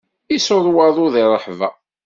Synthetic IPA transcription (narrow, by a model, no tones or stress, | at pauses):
isoðˤwɑðˤʊðirˤːəħvæ